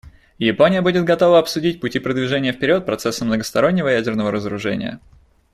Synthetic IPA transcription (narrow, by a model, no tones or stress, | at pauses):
jɪponʲɪjəbudʲɪt̪̚ɡɐt̪o̞vəɐpsʊdʲit̚ʲpʊtʲipɾəd̪vʲɪʐɛnʲɪjəfpʲɪɾʲo̞t̪̚pɾɐt̪sɛsːəmnəɡəst̪ɐɾo̞nʲːɪvəjædʲɪrnəvəɾəzəɾʊʐɛnʲɪ̰jə̰